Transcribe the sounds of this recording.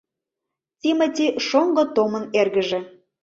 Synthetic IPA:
t̪ʲimə̆t̪ʲiʃoŋɡɤ̆t̪omə̆nerɣə̆ʒĕ

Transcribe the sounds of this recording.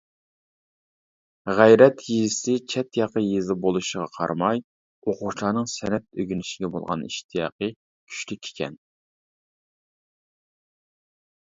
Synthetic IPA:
ʁæjɾɛt̪ʰjizɪsɪt͡ʃʰɛt̪jɑqəjezɪbolˠuʃəʁɑqʰɑ̰ɾmɑj | oqʊʃlˠɑːnɨŋsɛnɛt̪̚øɡʲynɪʃɪɡʲɛbo̰lˠʁɑ̰niʃt̪ʰijɑ̰ːqə | kʲʰy̥ʃlykʲʰe̥kʲʰɛ̰n

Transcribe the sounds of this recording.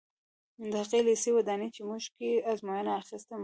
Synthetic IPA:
nd̪aqelesewad̪ɑnet͡ʃemuʒkeazmojanaːxist̪əm

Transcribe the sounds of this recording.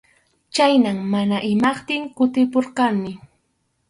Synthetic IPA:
t͡ʃajnammanaʔɪmɑχt̪ɪŋkʊt̪ɪpoɾqɑnmɪ

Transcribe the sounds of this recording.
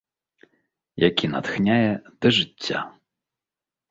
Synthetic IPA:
jakʲina̰t̪xnʲajɛd̪̥ɨʐɨt͡sʲːa̰

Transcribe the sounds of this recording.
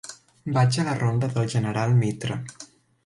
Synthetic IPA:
bat͡ʃələrond̪əðəlˠʒənəɾalˠmit̪ɾə

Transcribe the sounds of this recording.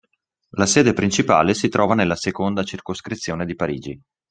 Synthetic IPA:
lasɛːd̪epɾint͡ʃipa̰ːlesit̪ɾɔːvanelːasekond̪at͡ʃirkoskɾit̪sːjoːned̪ipaɾḭːd͡ʒi

